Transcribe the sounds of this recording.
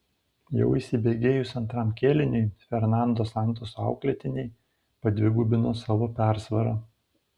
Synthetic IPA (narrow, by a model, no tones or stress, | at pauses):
jɛ̰ʊisʲɪbʲeːɡʲeːjʊsɐnt̪ɾɑˑmkʲeːlʲɪnʲʊjfʲɛɾnɑˑnd̪oːsɑˑnˑt̪oːsoɑ̰ˑʊklʲɛt̪ʲɪnʲɛɪ | pɐd̪ʲʋʲɪɡuːbʲɪnoːsɑːʋoːpʲæˑɾsʋɐɾɐ